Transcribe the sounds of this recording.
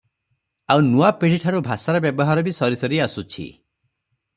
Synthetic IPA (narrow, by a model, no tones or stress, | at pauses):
awnuapeɽ̤iʈʰaɾubʱasaɾɔbjɔbɔɦaɾɔbisɔɾisɔɾiasut͡ʃʰḭ